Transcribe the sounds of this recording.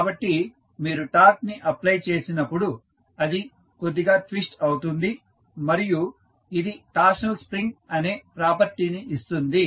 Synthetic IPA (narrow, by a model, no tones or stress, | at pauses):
kaːbɐʈːi | miːɾuʈaːɾk̚niʔɐplɐjt͡ʃe̞ːsinɐpːuɽu | ɐd̪i | kod̪ːiɡaːʈʋisʈɐwt̪und̪i | mɐɾiju | id̪iʈaːʃnɐlspɾiŋɡɐneːpɾaːpɐɾt̪iniʔːst̪und̪i